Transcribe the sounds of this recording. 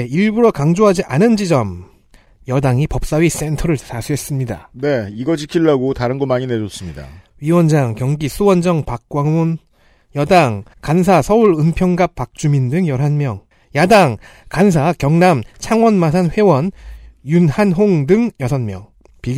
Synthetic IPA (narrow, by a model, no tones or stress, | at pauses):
iɭbuɾʌkaŋd͡ʑoɦad͡ʑiʔanɯnd͡ʑid͡ʑʌm | jʌdaŋipʌp̚s͈awɥis͈e̞ntʰʌɾɯɭtasʰuɦe̞s͈ɯmɲida̰ne̞iɡʌt͡ɕʰikʰiɭːaɡotaɾɯnɡʌmaɲine̞d͡ʑʌs͈ɯmɲida̰ | ɥiwʌnd͡ʑaŋkjʌŋɡisʰuwʌnd͡ʑʌŋpak̚k͈waŋun | jʌdaŋkans̬ʰasʰʌuɾɯmpʰjʌŋɡap̚p͈ak̚t͡ɕ͈umindɯŋjʌɾɦanmjʌŋ | jadaŋkans̬ʰakjʌŋnamt͡ɕʰaŋwʌnmasʰanɸwe̞wʌnjunhanɦoŋdɯŋjʌsʰʌnmjʌŋ | pi